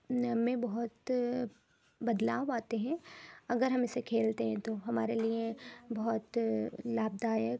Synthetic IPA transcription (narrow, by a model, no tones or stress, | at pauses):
ɐmẽbɐɦʊt̪ | bɐd̪laːʋaːt̪eɦɛ̃ɐɡəɾɦɐ̃mɪsekʰeːlt̪eɦɛ̃t̪oɦɐmaːɾeliebɐɦʊt̪laːb̚d̪aːjək